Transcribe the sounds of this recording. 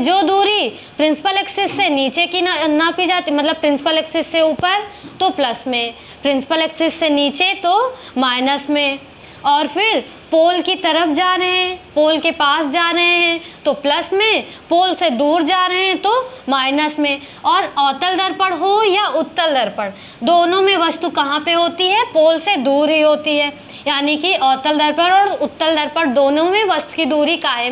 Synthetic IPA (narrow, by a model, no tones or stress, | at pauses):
d͡ʒoːd̪uːɾi | pɾɪ̃nsɪ̥pəleːksɪsːeniːt͡ʃekinanapid͡ʒaːt̪imɐt̪ləb̚pɾɪ̃nsɪ̥pəleːksɪsːeuːpəɾt̪opləsmẽ | pɾɪ̃nsɪ̥pəleːksɪsːeniːt͡ʃet̪o | maːɪnəsmẽ | ɔːɾpʰɪɾ | poːlkit̪ɐɾəfʰd͡ʒaːɾɐɦɛ̃poːlkepaːsd͡ʒaːɾɐɦeɦɛ̃t̪oplɐsmẽ | poːlsed̪uːɾd͡ʒaːɾɐɦeɛ̃t̪omaːɪnəsmẽ | ɔːɾɔːt̪əld̪ɐɾpəɽɦojaʔʊt̪ːəld̪ɐɾpəɽ | d̪oːnõmẽʋɐst̪ukɐɦãpeɦoːt̪iɦɛpoːlsed̪uːɾɦiɦoːt̪iɦɛː | jaːnikiʔɔːt̪əld̪ɐɾpəɾɔːɾʊt̪ːəld̪ɐɾpəɽd̪oːnõmẽʋɐst̪u̥kid̪uːɾikaːɪ̃